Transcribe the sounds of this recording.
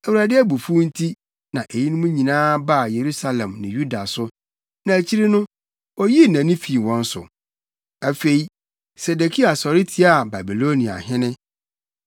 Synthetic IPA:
æ˨wu˨ɾa˨dɪ˦æ˦bu˨fu˦n̩˦tʰi˦ | nã˨ʔe˨ji˦nʊ̃˦mũ˦ɲĩ˨nãː˦ba˦˨je˨ɾu˦sa˦lɛ̃˨mnɪ̃˨ju˦da˨sʊ˦ | nã˨æ˨t͡ɕʰi˦ɾi˦nʊ̃˦ | ɔ˦ji˦nã˨˦nɪ̃˦fi˨wɔ̃˦n̩˦sʊ̰˨ | æ˨fe˨i˨ | se˨de˨kʰi˦a˨sɔ˨ɾɪ˦tʰi˦a˨ba˨bi˨lo˦nĩ˨a̰˨ɦɪ̃˦nɪ̃˦

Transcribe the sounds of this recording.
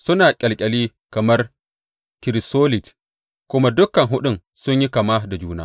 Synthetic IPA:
sʊ˦naː˨kʲʼɐ˨lkʲʼɐ˨liː˦ | kɐ˨mɐ˦r | kɪ˨ɾi˨soː˦lɪ˨t | kʷʊ˦ma˦dʊ˦kːɐ˨ŋɦʊ˦ɗʊ˦n | sʊ˦ɲji˦kɐ˨ma˦da˨d͡ʒuː˦na̰ː˦

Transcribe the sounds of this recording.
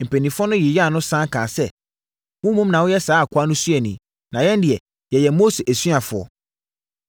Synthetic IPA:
m̩˨pʰe˨nĩ˨fʊ˦ɔ˦nʊ̃˦jɪ˨jɛ˦a˦˨nʊ̃˦sã˦kʰã˨sɛ˦ | wʊ̃˦mũ˦mnã˨wʊ˦jɛ˦saː˨˦a˨kʰʊ˦a˦nʊ̃˦su˦ɛ˨nĩ˨ | nã˨jɛ̃˦n˦dɪ˨ɛ˨ | jɛ˨jɛ˨mo˦se˨ʔæ˨sɥa˨fʊ˨ɔ̰˨

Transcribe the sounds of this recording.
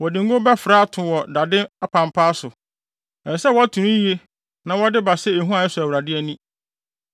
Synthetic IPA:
wɔ˨dɪ̃˨ŋ˦ɡõ˦bɛ˦fɾaː˦a˦˨tʰʊ̃˨wɔ˨da˨dɪ̃˦a˦pʰã˨m˨pʰaː˦sʊ˨ | ɛ˨sɛ˦wɔ˨˦a˦tʰũ˨nũ˦ji˦e˦ | nã˨wɔ˦dɪ˦ba˨sɛ˦e˨ɦũ˦a˨ɪ˦sʊ˨æ˨wɾa˨dɪ˦ɛ˦nĩ˦

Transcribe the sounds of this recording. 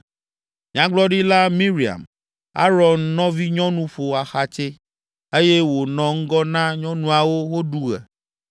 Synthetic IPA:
ɲã˦ɡ͡blɔ˦ɖi˦la˦mĩ˦ɾi˨a̰˨m | a̰˦ɾɔ˨nːɔ̃˦vi˦ɲɔ̃˦nũ˦ɸo˨a˨xa˨t͡ʃe˦ | e˦je˦wo˨nɔ̃˨ŋ̩˦ɡɔ˦nã˦ɲɔ̃˦nũ˦a˨wo˦wo˦ɖu˦ɣɛ̰˨

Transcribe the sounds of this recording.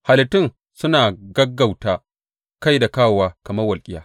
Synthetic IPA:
ha˨lɪ˨tɪ˦˨ŋ | sʊ˦naː˨ɡɐ˦ɡːa˨wtaː˦ | ka˦jda˨kaː˦˨waː˦kɐ˨mɐ˦rwɐ˨lkʲʼɪ˦jaː˦

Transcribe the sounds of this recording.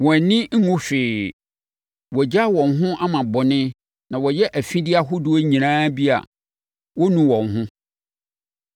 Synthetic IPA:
wɔ˨nɪ̃˦ŋ̩˦ŋʊ̃˦fᶣeː˨ | wɔ˨d͡ʑa˦˨wɔ̃˨nɦʊ̃˦ʔa˦mã˨bɔ˨nɪ̃˦ | nã˨wɔ˨jɛ˦ʔæ˨fĩ˦dɪ˦a˨ɦʊ˦dʊ˨˦ɔ˦ɲĩ˨nãː˦bi˦a̰˨ | wɔ˦nũ˦wɔ̃˨ŋɦʊ̃˦

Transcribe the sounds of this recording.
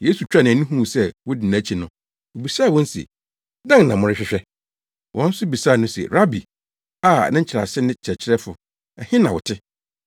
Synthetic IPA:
je˦su˨t͡ɕᶣa˦nã˨nĩ˦ɦũ˦˨sɛ˦wʊ˦dɪ˨nã˨˦˨t͡ɕʰi˨nʊ̃˦ | o˨bi˨saː˦˨wɔ̃˦n̩˦si˨ḛ˨ | dã˦ŋ˨nã˨mʊ̃˨ɾɪ˦ɕᶣɪ˦ɕᶣɛ˦ | wʔɔ̰̃˦n̩˦sʊ˦bi˨saː˦˨nʊ̃˦sḛ˨ɾa˦bi˨ | a̰˦˨nã˦ɲ˦t͡ɕʰɪ˨ɾa̰˨sɪ˦nɪ̃˦t͡ɕʰɪ˨ɾɛ˨t͡ɕʰɪ˦ɾɛ˦fʊ˨ | ɛ˨hɪ̃˦nã˨wʊ̰˨tʰɪ˦

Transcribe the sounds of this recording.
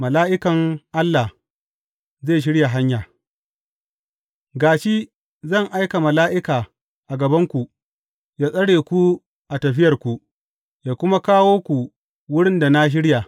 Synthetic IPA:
mɐ˨laː˦ʔɪ˦kɐ˨ŋʔa˦lːa˨ | zeː˦˨ʃ̬ɪ˦ɽja˨ɦa˦ɲjaː˨ | ɡaː˨ʃi˦ | zɐ˦˨ŋʔa˦jka˨mɐ˨laː˦ʔɪ˦kaː˨ | ʔa˨ɡɐ˨bɐ˦ŋkʷu˨ | jaː˦sʼɐ˦ɽeː˨kʷu˦ | ʔa˨tɐ˨ɸɪ˦jɐ˨rkʷu˨ | jaː˨kʷʊ˦ma˦kaː˦woː˦kʷu˨ | wʊ˦ɽɪ˦nda˨na˦ʃ̬ɪ˦ɽja˨

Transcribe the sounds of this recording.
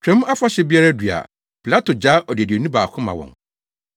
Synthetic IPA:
t͡ɕʰᶣɾɛ̃˨˦m˦a˦fa˦ɕɛ˦bi˦a˦ɾa˦dɥa̰˨ | pʰi˨la˦tʰo˨d͡ʑa˦ʔɔ˨dɪ˨di˨nĩ˦baː˨kʰʊ̃˦mã̰˨wɔ̰̃˨ŋ

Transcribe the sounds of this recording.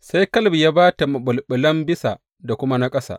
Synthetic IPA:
sa˦jkɐ˦lbi˨jaː˦baː˦ta˨mɐ˨ɓʊ˨lɓɪ˨lɐ˦mbɪ˦sa˨ | da˨kʷʊ˦ma˦na˦kʼɐ˦sa̰ː˨ʔ

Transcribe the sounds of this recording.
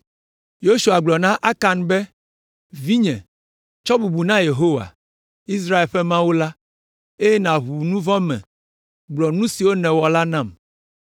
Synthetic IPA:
jo˦ʃu˨a˨ɡ͡blɔ˨nã˦ʔa˦ka˨nbɛ˦ | vi˦ɲɛ̃˨ | t͡ʃɔ˦bu˨bu˨nã˦je˨ɦo˦wa̰˨ | i˦s̬ɾa˦e˨lɸɛ˦mã˦wo˦la˦ | e˦je˦nã˨ɦu˨nũ˦vɔ̃˦mɛ̰̃˨ | ɡ͡blɔ˨nũ˦si˨wo˦nɛ̃˨wɔ˨la˦nã˦˨m

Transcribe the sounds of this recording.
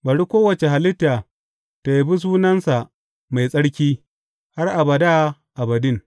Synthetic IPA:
bɐ˨ɽi˦kʷoː˦wɐ˨t͡ʃe˨ɦa˨lɪ˦tːaː˨ | ta˨ji˨bi˦s̬uː˦nɐ˦nsa˨ | ma˨jsʼɐ˦ɽkʲiː˦ | ha˦rʔa˨bɐ˨da˦ | ʔa˨bɐ˨dɪ˦˨ŋ

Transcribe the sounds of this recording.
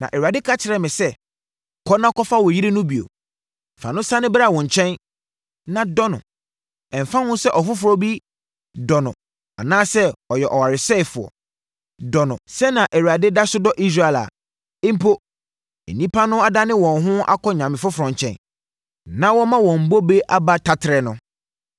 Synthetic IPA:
nã̰˨ʔɛ˨ɥa˨dɪ˦kʰa˦t͡ɕʰɪ˨ɾɛ˨mɪ̃˨sɛ˦ | kʰɔ˦nã˦kɔ˦fa˦wɔ˨ji˦ɾe˦nʊ̃˦bi˨o̰˨ | fã̰˨nʊ̃˦sã˦nɪ̃˦ba˨wɔ̃˨ɲ˨t͡ɕʰɛ̃˦n | nã˨dɔ˦nʊ̰̃˨ | ɛ̃˨m̩˨fã˦hʊ̃˦nsɛ˦ʔɔ˨fʊ˦fʊ˨ɾɔ˦bi˦ | dɔ˨nʊ̰̃˨ | a̰˨nãː˦sɛ˦ɔ˨jɛ˨ʔɔ˨wa˨ɾɪ˨sɛ˦ɪ˨fʊ˨ɔ̰˨ | dɔ˨nʊ̃˨sɛ˦nã˨ʔɛ˨wu˨ɾa˨de˦da˦sʊ˦dɔ˦ʔi˦s̬ɾa˦˨ɛ˨la̰˨ | ẽ˦m̩˦pʰo˦ | ḛ˨nĩ˦pʰa˦nʊ̃˦a˨da˦nɪ̃˦wɔ̃˨n˨ɦʊ̃˦a̰˦kʰɔ˦ɲã˨mɪ̃˨fʊ˦fʊ˨ɾɔ̃˨ɲ˨t͡ɕʰɛ̰̃˦n | nã˦wɔ˦mã˦wɔ̃˨m̩˨bo˦be˦ʔa˦ba˦tʰa˦tʰɪ˨ɾɛ˨nʊ̃˦

